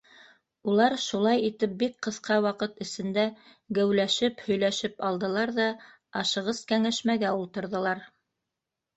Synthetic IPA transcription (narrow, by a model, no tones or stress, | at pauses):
ulˠɑɾʃulˠɑjit̪ɘp̚bik̚qɤ̆θqʰɑwɑqɤt̪ɘ̆sɘ̆nd̪æ | ɡæwlæʃɘphɵ̆jlæʃɘpɑlˠd̪ɤ̆lˠɑɾðɑ | ɑʃɤ̆ʁɤskæŋæʃmæɡæulˠt̪ɤ̆ɾðɤ̆lˠɑɾ